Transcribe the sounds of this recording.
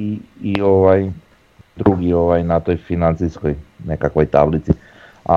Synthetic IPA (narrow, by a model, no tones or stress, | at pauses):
iioʋaj | d̪ɾuɡio̞ʋajnat̪o̞jfinant̪sisko̞jnekakʋo̞jt̪a̰blit̪si | a̰